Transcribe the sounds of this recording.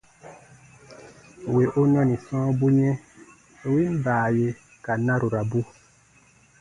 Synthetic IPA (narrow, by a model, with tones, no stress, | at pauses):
we˨ʔo˦nɔ̃˦nĩ˨sɔ̃ː˦bu˦ɲɛ̃˦ | o˨wi˦m˦baː˨je˨ | ka˨nã˦ɾu˨ɾa˨bu˦